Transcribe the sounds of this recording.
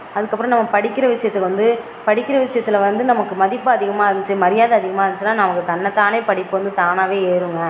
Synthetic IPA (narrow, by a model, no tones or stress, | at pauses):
ɐðɯkːɐpːɯɾɐ̃nɐmːɐpɐɽɪkːɪɾɐʋɪʂɐjɐt̪ːɯkːʋɐnd̪ɯ | pɐɽɪkːɪɾɐʋɪʂɐjɐt̪ːɪlɐʋɐnd̪ɯnɐmɐkːɯmɐðɪpːɯɐðɪɣɐmaːɾɲt͡ʃːɯmɐɾɪjaːðɐːðɪɣɐmaːɐɾɯɲt͡ʃɯnːaːnɐmɐkːɯt̪ɐnːɐt̪ːaːneːpɐɽɪpːɯʋɐnd̪ɯt̪aːnaːʋeːeːɾɯŋɡɐ